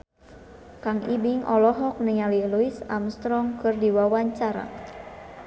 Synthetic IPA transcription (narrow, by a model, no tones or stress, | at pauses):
kaŋʔibiŋʔɔ̰lɔɦɔk̚niŋaliluisamst̪ɾɔŋkɨrdiwawaɲt͡ʃaɾa̰